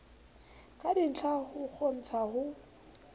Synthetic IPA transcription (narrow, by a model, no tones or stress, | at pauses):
kʼadin̩t͡ɬʰahʊk͡xʰon̩t͡sʰahʊ